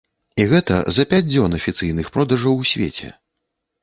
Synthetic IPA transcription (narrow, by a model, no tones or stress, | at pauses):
iɣɛt̪ɐ̰zɐpʲad͡zʲd͡zʲɔnɐfʲit̪sɨjnɨxpɾɔd̪ɐʐɐwsʲvʲḛt͡sʲɛ̰